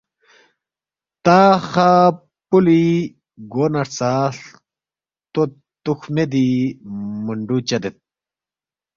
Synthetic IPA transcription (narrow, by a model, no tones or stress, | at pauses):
t̪axa | puli | ɡonɐɾt͡saɬ | t̪o | t̪uxmed̪i | muɳɖut͡ɕɐd̪et̪̚